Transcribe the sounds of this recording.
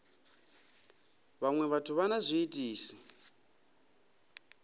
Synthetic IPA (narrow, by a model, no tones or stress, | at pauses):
βaŋwɛβatʰuβanazʷiːtʼiːsi̥